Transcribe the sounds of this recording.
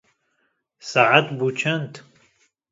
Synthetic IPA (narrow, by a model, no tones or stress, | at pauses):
saʕat̪but͡ʃʰɐnt̪